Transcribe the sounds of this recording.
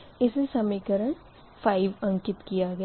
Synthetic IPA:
ɪsesɐmikəɾəɳ | fʰaːɪʋɐ̃ŋkɪt̪kijaɡɛj

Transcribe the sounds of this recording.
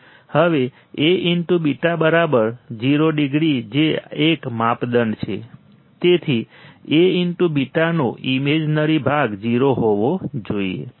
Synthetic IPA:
həʋe | eʔinʈubiʈabəɾabəɾd͡ʒiɾoɖiɡɽid͡ʒeekmapd̪əɳɖt͡ʃʰḛ | t̪et̪ʰieiɳʈubiʈanoʔimed͡ʒnəɾibʱaɡd͡ʒiɾoɦoʋod͡ʒoḭḛ

